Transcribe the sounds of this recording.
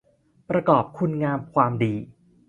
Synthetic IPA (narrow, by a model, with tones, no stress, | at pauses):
pɾa˧kɔː˨˩p̚kʰu˧nŋaː˧mkʰwaː˧mdiː˧